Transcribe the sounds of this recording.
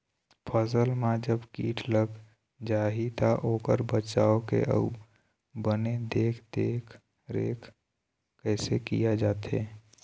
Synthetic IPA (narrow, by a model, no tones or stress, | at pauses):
pʰəsəlmãd͡ʒəbkiːʈʰləɡ | d͡ʒaːɦit̪aʔoːkəɾbət͡ʃaːokḛʔə̰ | bəned̪eːkʰd̪eːkʰ | ɾeːkʰ | kɛɪsekḭjad͡ʒaːt̪ḛː